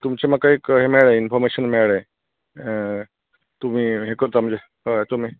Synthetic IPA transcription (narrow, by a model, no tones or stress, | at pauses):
t̪umt͡ɕemakaikɦemeɭẽinfʰɔɾmeɕənmeɭẽ | t̪um̤iːɦekəɾt̪am̤ə̃nd͡ze | ət̪um̤iː